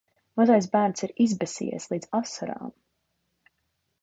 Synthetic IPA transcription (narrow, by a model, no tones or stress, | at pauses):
mazajs̬bæːɾnt̪siɾizbɛsḭɛ̰slˠiːd̪z̥asaɾa̰ːm